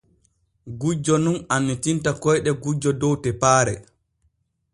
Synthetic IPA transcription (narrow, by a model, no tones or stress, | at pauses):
ɡud͡ʒːɔnunanːitintakɔjɗɛɡud͡ʒɔdɔwtɛpaːɾɛ